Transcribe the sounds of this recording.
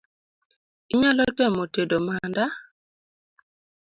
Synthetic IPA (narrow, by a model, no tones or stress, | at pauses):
iɲalɔtɛmotedomanda